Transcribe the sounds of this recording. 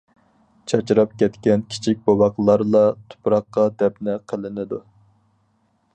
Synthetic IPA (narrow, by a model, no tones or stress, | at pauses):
t͡ʃʰɑt͡ʃɾɑp̚kʲʰɛt̪kʲɛnkʲʰi̥t͡ʃʰik̚ʲbɑwɑqlˠɑɾlˠɑt̪ʰu̥pɾɑqːɑd̪ɛpnɪqʰəlɪnɪd̪u